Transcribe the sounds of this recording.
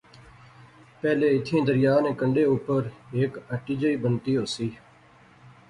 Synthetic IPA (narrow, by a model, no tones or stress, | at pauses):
pɛːleːɪt̪ʰẽːd̪əɾɪjaːnẽːkəɳɖeːʊpəɾeːkəʈiːd͡ʒəiːbənt̪iːɦoːsiː